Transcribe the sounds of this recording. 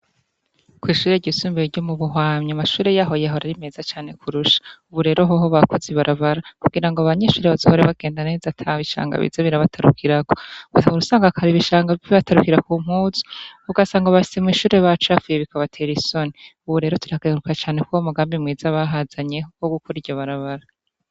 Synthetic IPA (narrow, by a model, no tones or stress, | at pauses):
kwiːʃuːɾe̞ɟisuːmbeɾɟomuβuɦwaːɲɲamaʃuːɾe̞jaɦo̞jaɦoɾaɾime̞ːzat͡ʃaːne̞kʰuɾuʃḁuβuɾe̞ːɾoɦoɦoβakoziβaɾʔaβaɾakuɡiɾaŋɡoaβaɲeʃuːɾeβazo̰hoɾeβaɡe̞ːndane̞ːzatʰaβiʃa̰ːŋɡa̰βḭzeβiɾaβatʰaɾukʰiɾakoβauɾusaːŋɡakʰaɾiβiʃaːŋɡaiββataɾukiɾakuːm̥huːzu̥uɡasaːŋɡoβaʃi̥se̞mŋiːʃuːɾeβat͡ʃafujeβikaβatʰe̞ɾisoniuβuɾe̞ːɾotuɾiakeɾukat͡ʃaːnekwaaomuɡaːmbimŋiːzaβaɦazaɲeɦokoɡukʰoɾiɾɟoβaɾaβaɾa